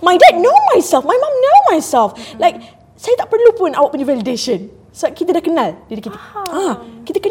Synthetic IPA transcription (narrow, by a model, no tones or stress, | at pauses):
majdɛd̚nomajsɛlfmajmãmnomajsɛlflajk̚ | sajat̪aʔ̚pərlupʊ̃nawaʔpənivɛlideʃə̃n | səbakit̪ədahkənaldidakit̪iakit̪əkə